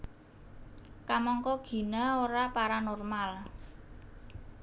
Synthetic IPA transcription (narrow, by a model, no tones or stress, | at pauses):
kamɔŋkɔɡ̥i̤naoɾapaɾanɔrmal